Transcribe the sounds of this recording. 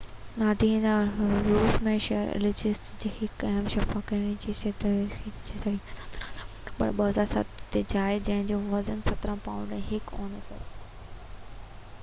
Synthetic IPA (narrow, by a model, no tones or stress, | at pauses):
naːd̪ʱĩnaɾuːsmẽʃɛəɾɪ̰lɪd͡ʑɪsʈd͡ʑiːhɪkɐɦəmʃɐfaːkɐɾɽ̃id͡ʑiset̪it͡ɕisɐɽĩː | pɐ̰ɾɓəɦəzaːɾsɐ̰t̪t̪ed͡ʑaːɪd͡ʑɐ̃ɦɪ̃ɲd͡ʑoʋɐzənsɐt̪ɾə̃pãːʊ̃ɳɖɛ̃ːɦɪkõːnəsɐ̰ɾ